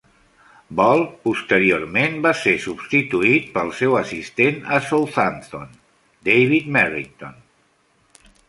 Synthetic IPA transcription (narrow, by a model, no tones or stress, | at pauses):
bɔlˠpust̪əɾioɾmenbasesubst̪it̪uit̪̚pəlˠsɛwəsist̪enəsolˠθant̪on | d̪ejβit̪mɛrḭŋt̪on